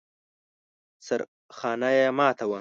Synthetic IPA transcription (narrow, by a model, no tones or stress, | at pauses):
saɾ | xɑːnajemɑːt̪ʰawa